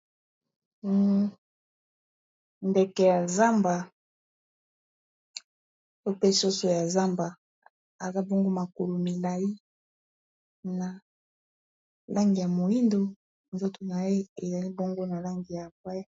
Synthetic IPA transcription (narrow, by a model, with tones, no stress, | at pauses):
nde˨kɛ˨ja˨za˦mba˨ | to˦pe˦˨so˦so˨ja˨za˦mba˨ | a˨za˦bo˦ŋɡo˦ma˨ko˨lo˨mi˨la˨i˦ | na˨ | la˦ŋɡi˨ja˨mo˨i˦ndo˨ | nzo˦tʰo˨na˨je˦e˨za˨li˦bo˦ŋɡo˦na˨la˦ŋɡi˨ja˨kwɛ˦